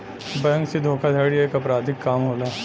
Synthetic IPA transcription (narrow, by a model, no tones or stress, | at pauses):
bəjə̃ŋksid̪ʱoːkʰad̪ʱaːɽeeːkɐpɾaːd̪ʱɪkːaːmɦoːlaː